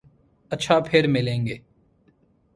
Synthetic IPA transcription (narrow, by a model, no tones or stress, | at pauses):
ɐtːʃʰapʰɪɾmɪlẽːŋɡeː